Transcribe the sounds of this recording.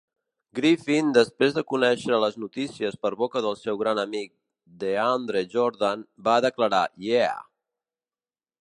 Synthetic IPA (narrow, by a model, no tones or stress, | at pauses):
ɡɾifind̪əspɾezðəkunɛʃɾələznut̪isiəspəɾβokəðəlˠsɛwɣɾanəmik̚ | d̪eand̪ɾeʒoɾðanbaðəkləɾajea̰